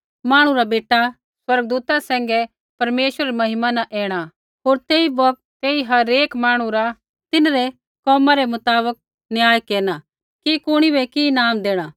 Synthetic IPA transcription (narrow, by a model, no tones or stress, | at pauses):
maːɽ̃ũɾabeːʈa | swɐɾɡd̪uːt̪asɛ̃ːŋɡɛ | pɐɾmeːʃwəɾɾemɐɦɪmanɐ̃ʔɛːɽ̃a | ɦoːɾt̪eːibɐk̚t̪eːiɦɐɾeːkmaːɽ̃ũɾa | t̪ɪnɾɛ | kɔːmãɾɛmʊt̪aːbək̚ | njaːjkeːɾña | kikʊɽ̃ibɛkinaːmd̪eːɽ̃aː